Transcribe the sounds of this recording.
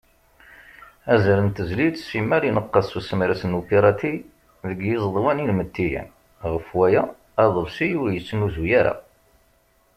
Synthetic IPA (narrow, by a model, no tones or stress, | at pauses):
æzɾənt̪əzlid̪simæɾinəqːɑsusəmiɾæsənːupiɾˤɑt̪i | ðəɡjɪzˤðˤwænilmət̪ːijæ̰n | ʁəfwæjæ | æðˤəlsijʊɾjət͡sːnuzujaɾa̰